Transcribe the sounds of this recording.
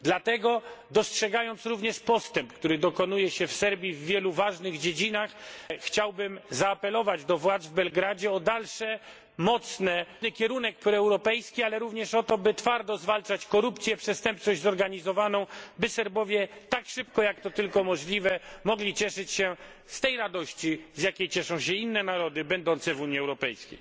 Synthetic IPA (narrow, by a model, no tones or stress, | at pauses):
d̪lat̪ɛɡɔd̪ɔstʂɛɡajɔnt̪sɾuvɲɛʂpɔst̪ɛmpkt̪uɾɘd̪ɔkɔnujɛɕɛfsɛɾbʲjivːʲjɛluvaʐnɘɣd͡ʑed͡ʑinaxxt͡ɕawbɘmzaːpɛlɔvad͡ʑd̪ɔvwad̪zvbɛlɡɾad͡ʑɛɔd̪alʂɛ | mɔt̪snɛnɨkʲɛɾunɛk̚pɾɔɛwɾɔpɛjskʲialɛɾuvɲɛʂɔt̪ɔbɘt̪faɾd̪ɔzvalt͡ʂat͡ɕkɔɾupt̪sʲjɛpʂɛst̪ɛmp̚t͡ʂɔʑʲzɔɾɡaɲizɔvanɔ̃w̃bɘsɛɾbɔvʲjɛt̪akʂɘpkɔjakt̪ɔt̪ɘlkɔmɔʐlʲivɛmɔɡlʲit͡ɕɛʂɘt͡ɕɕɛ | st̪ɛjɾad̪ɔɕt͡ɕizjakʲejt͡ɕɛʂɔ̃w̃ɕɛinːɛnaɾɔd̪ɘbɛnd̪ɔnt̪sɛvuɲiɛwɾɔpɛjskʲḛj